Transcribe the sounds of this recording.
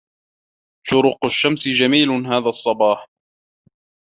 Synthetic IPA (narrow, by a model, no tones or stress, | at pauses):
ʃʊɾʊqʊʃːamsɪd͡ʒamiːlʊɦaːðaːsˤːɑbɑːħ